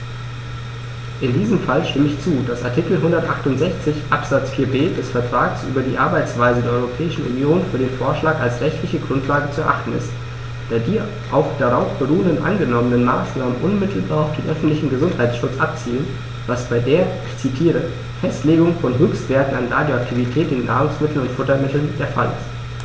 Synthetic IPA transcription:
ʔɪndiːzəmfalʃtɪməɪçt͡suːd̥asʔa̰ɐtʰikl̩ɦʊndɐtʔaχtʊntz̥ɛçt͡sɪçʔapz̥at͡sfiːɐbeːdɛsfɛɐtʁ̥aːɡəsʔyːbɐdiːʔaɐbaɪt͡sv̥aɪzədeːɐʔɔʁopʰɛːɪʃn̩ʔṵnjoːnfyːɐɾeːnfoːɐʃlaːkalsʁɛçtʰlɪçəɡʁʊntʰlaːɡət͡suɛɐʔaχtn̩ɪ̰st | d̥aːdiː | ʔa̰ʊfd̥aʁaʊfb̥əʁuːəndənʔa̰nɡənɔmənənmaːsnaːmənʔʊnmɪtʰl̩baːɐʊfd̥eːnʔœfn̩tlɪçn̩ɡəzʊnthaɪt͡sʃʊt͡sʔap̚t͡siːlən | vasb̥aɪdeːɐɪçt͡sitʰiːʁə | fɛstleːɡʊŋfɔnɦøːkstv̥eːɐtn̩anʁaːdjoak̚tʰivitʰɛːtɪnːa̰ːʁʊŋsmɪtl̩nʊntfʊtɐmɪtl̩ndeːɐfa̰lɪ̰st

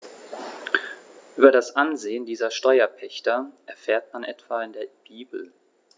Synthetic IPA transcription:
ʔʔyːbɐdasʔanzeːəndiːzɐʃtɔʏɐpʰɛçtɐʔɛɐfeːɐtmanʔɛtv̥aːɪndeːɐb̥iːbl̩

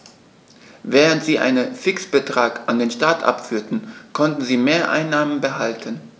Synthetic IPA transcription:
vɛːʁəntz̥iːʔa̰ɪnənfɪksb̥ətʁ̥aːkʔandeːnʃtaɐtʰʔa̰pfyːɐtn̩kʰɔntn̩ziːmeːɐʔa̰ɪnːaːmənbəɦaltʰən

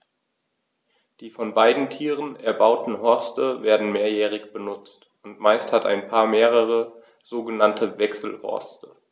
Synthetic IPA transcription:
d̥iːfɔnbaɪdn̩tʰiːʁ̞ənɛɐbaʊtn̩ɦɔɐstəveːɐdn̩meːɐjɛːʁɪçb̥ənʊt͡st | ʊntmaɪsthata̰ɪnpʰaːɐmeːʁ̞əʁ̞ə | z̥oːɡənantʰəvɛksl̩hɔ̰ɐstə

